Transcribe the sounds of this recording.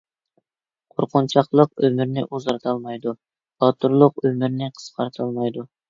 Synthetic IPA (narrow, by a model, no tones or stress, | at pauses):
qʰoɾqʊnt͡ʃʰɑχlˠəq̚ømyɾnɪʔuzɑɾt̪ʰɑlˠmɑjd̪u̥ | ɑt̪ʰuɾlˠʊq̚ømyɾnɪqʰə̥sqʰɑɾt̪ʰɨlˠmɑjd̪u